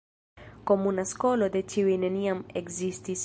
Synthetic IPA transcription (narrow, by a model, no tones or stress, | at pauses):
komunaskolod̪et͡ʃiwineniameɡzist̪is